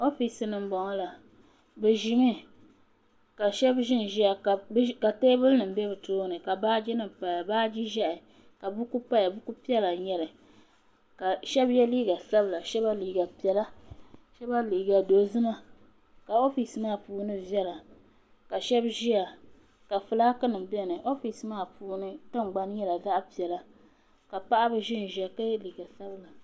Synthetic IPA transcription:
o˦fi˨sɨ˨nɨ˨m˦bɔ˨ŋɔ˦la˨ | bɛ˨ʒi˨mi˦ | ka˨ʃɛ˦bʒɪ˦n˨ʒi˦a˨kka˨teː˦bɨ˦lnɨ˨m̩˦bɛ˦bɨ˨toː˦nɨ˨ka˨baː˦d͡ʒi˦nɨ˨m˨pa˨ja˨baː˦d͡ʒi˦ʒa˦ʔɪ˨ | ka˨bu˦ku˦pa˦ja˨bu˦ku˦pi˦ɛ˦la˨ɲɛ˦lɨ˨ | ka˨ʃɛ˦bjɛ˦li˦ɡa˨sa˦bla˨ʃɛ˦ba˦liː˨ɡa˨pi˨ɛ˨la˦ʃɛ˦ba˦liː˨ɡa˨do˨zɨ˦na˦ | ka˨o˦fi˨smaː˦˨puː˦nɨ˦vjɛ˦la˨ | ka˨ʃɛ˦bʒi˦a˨ | ka˨fɨ˨laː˦kɨ˦nɨ˨m˨bɛ˦nɨ˨ʔo˦fi˨smaː˦˨puː˦nɨ˦tɨ˦ŋ˨ɡ͡ba˦n˦jɛ˦la˨za˦ʔpi˨ɛ˨la˦ | ka˨pa˦ʔa˦bɨ˦ʒɪ˦n˨ʒɛ˨ka˦jɛ˦liː˨ɡa˨sa˦bɨ˦la˨

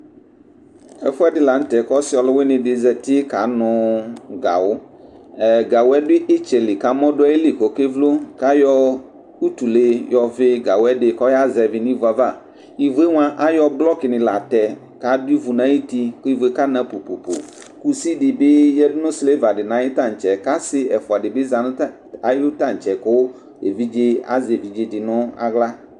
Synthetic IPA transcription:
ɛ̰˨fʊ˦ɛ˦dɪ˦la˨n̩˦t̪ɛ˨kɔ˦sɪ˦ɔ˨lɔ˦we˦nɪ̃˨ɖɪ˨zɛ˨t̪i˦ka˨˦nʊ̃˨ɡa̰˨wo˦˨ | ɡa˨wo˦ɛ˦dʊ˦i˦ʔe˦t͡ʃe˨li˨ka˨mɔ̃˦ɖo˦ɛ˦e˦li˨ko˨ke˦vlo˦ka˦jɔ˦ | u˦t̪u˨le˦jɔ˨ve˦ɡa˨wɛ˦ɖe˨kɔ˦ja˦zɛ˨vi˨nĩ˦va˨va˨ | i˨ve˦ŋ˦ã˦ʔa˦jɔ˦blɔ˦ke˨nĩ˨la˨t̪ɛ˨ | ka˦di˦vu˨nã˨˦ji˦t̪i˦ko˦i˦ve˦ka˦nã˦po˨po˨po̰˨ | ku˦si˦ɖi˨be˦jɛ˦ɖu˦nũ˦sle˦va˨ɖe˨nã˨˦je˦t̪ã˦˨t͡ʃɛ˨ka˦si˦ɛ˨fo˨a˨ɖe˨be˦za˨ñ˦ | a˨jo˦t̪ã˦˨n̩˨t͡ʃɛ˨ko˦w | e˨vi˦d͡ʒe˦a̰˦ze˨vi˨d͡ʒe˦di˨nɔ̃˦a̰˨ɡla˦

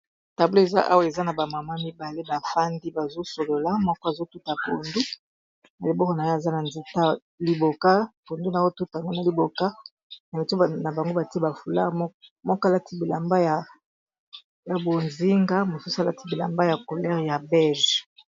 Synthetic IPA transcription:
ta˨blo˦e˨za̰˦ʔa̰˦wa˦˨e˨za˦na˨ba˨ma˨ma˦mi˦ba˨le˦ba˨fa˦ndi˦ba˨zo˦so˨lo˨la˦mɔ˦kɔ˦a˨zo˦tu˦ta˨po˨ndu˦ | na˨li˨bɔ˦kɔ˨na˨jo˦a˨za˦na˨nzi˨ta˦ | li˦bo˨ka˦po˨ndu˦na˨o˦tu˦tŋɡo˦na˨li˨bo˨ka˦ | na˨lo˨to˦na˨ba˨ŋɡo˦ba˨ti˦e˦ba˨fu˨la̰˦mɔ˦kɔ˦a˨la˦ti˦bi˨la˨mba˦ja˨ | ja˨bo˨nzi˦ŋɡa˦mo˨su˦su˦a˨la˦ti˦bi˨la˨mba˦ja˨ko˨lɛ˦ʁja˨bɛ˦lʒ

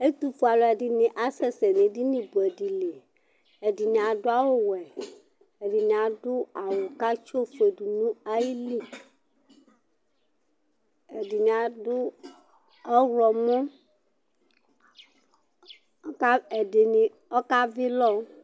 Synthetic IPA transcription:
e˦t̪u˦fu˨a˨lɔ˨ɛ˨ɖi˨nĩ˨ʔa˦sɛ˦sɛ˨nĩ˨di˦nĩ˨bo˨ɛ˨di˨le˨ | e˨di˨nĩ˨ã˨ɖʊ˦a˦wo˦wɛ˨ | e˨di˨nĩ˨a˨dʊ˦a˨wo˨ka˦t͡ʃo˦fe˨du˨nũ˦a˦ji˦li˦ | e˨di˨nĩ˨a˨dʊ˦ | ɔ˦ɾɔ˨mɔ̃˦ | ka˦e˨ɖe˨nĩ˨ | ɔ˦ka˦vi˦lɔ˦

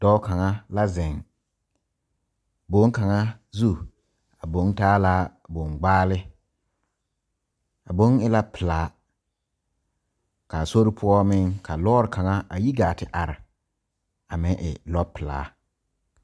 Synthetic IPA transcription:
d̥ɔː˦ka˨ŋa˦la˦zɛ˨ŋ | bo˨˦ŋ˦ka˨ŋa˦zu˦˨ | a˨bo˨˦n˦taː˦laː˦bo˨ŋɡ͡baː˦lɪ˦ | a˨bo˦ŋɪ˦la˦pɪ˨laː˨˦ | ka˨so˦ɾɪ˦pʰʊ˦ɔ˦mɪ˦ŋkʰa˨lɔː˦ɾɪ˨ka˨ŋa˦a˨ji˦ɡaː˨tɪ˨ʔa˨ɾɪ˨ | a˨mɪ̃˦ŋʔɪ̰˨lɔ˦pɪ˨la̰ː˨˦

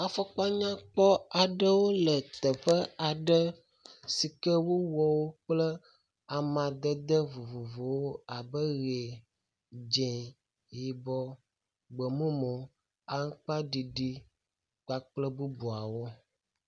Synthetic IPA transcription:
a˨fɔ˦k͡pa˦ɲã˦k͡pɔ˦a˨ɖə˦wo˦lə˨t̪ə˨ɸə˦a˨ɖə˦ | si˨kə˦wo˦wɔ˨wo˦k͡plə˦ | a˨mã˨d̪ə˦d̪ə˦vo˨vo˨vo˨wo˦a˨bə˦ɣe˨ | d͡ʒɛ̃˨ | ji˨bɔ˦ | ɡ͡bə˨mũ˦mõ˨ | a˨ŋ̩˦k͡pa˦ɖi˨ɖi˦ | k͡pa˨k͡plə˦bu˦bu˨a˨wo˦

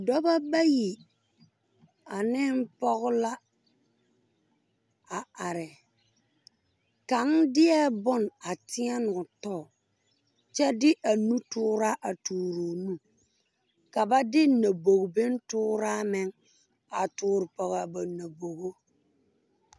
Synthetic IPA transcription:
dɔ˦ba˦ba˦ji˨ | a˨nɪ˦n˦pɔ˦ɣʊ˦la˦ | a˨a˨ɾɪ˨ | ka˨n˦dɪ˦ɛ˦bʊ˦na˨tɪ˦ɛ˦nʊ˨tɔ˦˨ | t͡ʃɛ˦dɪ˦ʔa˨nu˦tʊː˦ɾa˦ʔa˨tuː˨ɾoː˨nu˦ | ka˨ba˦dɪ˦na˨bo˨ɡbɪ˦n˦tʊː˦ɾa˦mɪ˦ŋ | a˨tʊː˦ɾɪ˨pɔ˨ɣa˨ba˨na˨bo˨ɣo˦

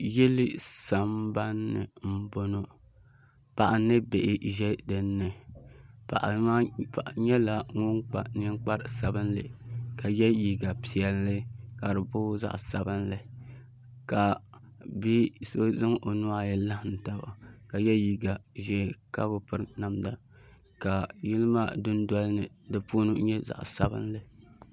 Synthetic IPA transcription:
jɛ˦lɪ˦sa˨mba˦nːɨ̰˨m̩˦bo˦no˦ | pa˨ʔa˨nɨ˦be˨ʔɪ˨ʒɛ˦dɨ˦nːɨ˨ | pa̰˨ʔa̰˨a˦pa˨ʔa˨ɲɛ˦la˨ŋʊ˦ŋk͡pa˨ni˦ŋ˦k͡pa˦ɾsa˨bɨ˦nlɨ̰˨ka˨jɛ˦ji˨ɡa˨pi˨ɛ˨lːɨ˦ka˨ɾɨ˨bʊ˦za̰˦ʔsa̰˨bɨ˦nlɨ˨ | ka˨ | bi˦so˦zɨ˦ŋo˨nu˦a˦jɛ˦la˦hn̩˨ta˦ba̰˨ka˨jɛ˦ji˨ɡa˨ʒɛː˦˨ka˦bʊ˨pɨ˦ɾna˨mda˦ | ka˨ji˦lɨ˦maː˦˨dʊ˦n˦dɔ˦lnɨ˨dɨ˨pu˦nɨ˦ɲɛ˦za̰˨ʔsa˨bɨ̰˦n˦lɨ˨

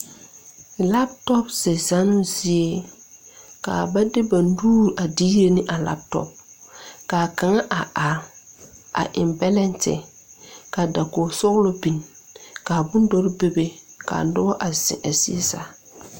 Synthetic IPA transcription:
la˦p̚tɔ˦pz̥ɛ˨za˦nʊ˦zɪ˦e˦ | ka̰˨ba˦dɪ˦ba˨n̩˦duː˦ɾʔa˨diː˦ɾe˦nɪ˦ʔa˨la̰˦p̚tɔ̰˦p̚ | kaː˨ka˨ŋa˦ʔa˨a˨ɾ | a̰˨ʔɪ˨mbɛ˦lɛ˦ntɪ̰˨ | ka˨da˨ko˨sʊ˦ɣlo˦bi˨n | ka˨bʊ˦n˦dɔ˦ɾɪ˦be˦be˦ka̰ː˨˦dʊ˦a˦ʔa˨zɪ̰˨ʔa˨si˦e˦za̰˦

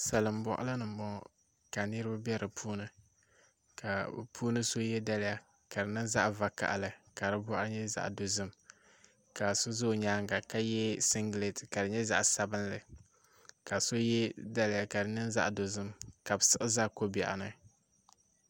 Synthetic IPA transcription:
sa˨lɨ˨m˨˦bɔ˦ʔa̰˦lɨ˦nɨ˨m̩˨˦bɔ˦˨ | ka˨nɨ˦ɾɨ˦ba˦bɛ˦ɾɨ˨pʰuː˦nɨ˦ | ka˨pʰuː˦nɨ˦so˦jɛ˦da˦lɪ˦ja˦ | ka˨dɨ˨nɨ˦nza˦ʔva˨ka̰˨ʔa˨lɨ˨ka˨ɾɨ˦bɔ˦ʔa˦ɨ˦ɲɛ˦za̰˦ʔdo˨zɨ˦m | ka˨so˦zo˦˨ɲaː˦ŋɡa˨ka˦jɛ˦sɪ˦ŋɡle˨tɨ˨ka˨dɨ˨ɲɛ˦za̰˦ʔsa˦bɨ˦n˦lɨ˨ | ka˨so˦jɛ˦da˦lɪ˦ja˨ka˨dɨ˨nɨ˦nza̰˦ʔdo˨zɨ˦mka˨bɨ˨sɨ˦ʔɨ˦za˦ko˦bɛ̰˨ʔa̰˨nɨ˦

